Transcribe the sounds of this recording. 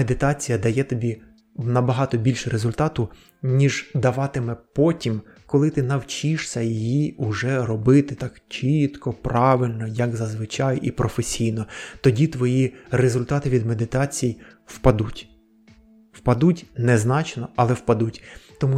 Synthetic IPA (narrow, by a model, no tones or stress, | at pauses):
ed̪ɪt̪ɑt͡sʲijɐd̪ɐjɛt̪ɔbʲi | nɐbɐɦɑt̪ɔbʲilʲʃɾezʊlʲt̪ɑt̪ʊ | nʲiʒd̪ɐʋɑt̪ɪmɛpɔtʲim | kɔlˠɪt̪ɪnɐwt͡ʃʲiʃsʲɐjijiʊʒɛɾɔbɪt̪ɪt̪ɑkt͡ʃit̪kɔpɾɑʋɪlʲnɔjɐkzɐzʋɪt͡ʃɑjipɾʔɔfesʲijnɔt̪ɔdʲit̪ʋɔjirezʊlʲt̪ɑt̪ɪʋʲid̪me̞d̪ɪt̪ɑt͡sʲiji | wpɐd̪utʲ | wpɐd̪utʲnɛznɑt͡ʃnɔɐlˠɛwpɐd̪utʲt̪ɔmu